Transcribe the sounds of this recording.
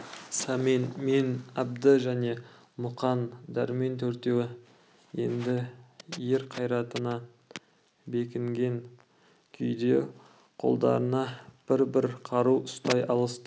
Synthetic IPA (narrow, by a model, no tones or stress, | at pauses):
sɑmenmenæb̚d̪əʒæne̞ | mʊqɑnd̪æɾme̞nt̪ʰɵɾt̪e̞wɪ | je̞nd̪ɪje̞ɾqʰɑjɾɑt̪ənɑ | be̞kʲɪŋɡʲe̞ŋ | kʲʰʏjd̪e̞ | qʰo̞̰lˠd̪ɑ̰ɾənɑb̥ɪɾbɪɾqʰɑɾuwʔʊst̪ɑjʔɑlˠəst̪ə